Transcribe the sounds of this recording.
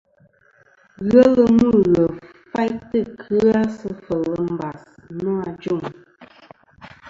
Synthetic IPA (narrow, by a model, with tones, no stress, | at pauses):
ɣə˦lə˦nu˦˨ɣə˨ | fa˦jtɨ˦˨kʰɨ˦a˦sə˦fə˨lə˦m˦˨ba˨snɔ˦a˨d͡ʒu˦˨ŋ